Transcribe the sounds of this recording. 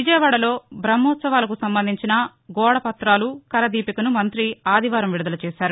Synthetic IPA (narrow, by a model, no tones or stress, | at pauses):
ʋid͡ʒɐjɐʋaːɽɐlo̞ːbɾɐmːɔːt̪sɐʋaːlɐkusɐmbɐnd̪ʱiɲt͡ʃinɐ | ɡɔːɽɐpɐt̪ɾaːlukɐɾɐd̪iːpikɐnumɐnt̪ɾiaːd̪ʱiʋaːɾɐmʋiɽud̪ɐlɐt͡ʃɛːʃaːɾu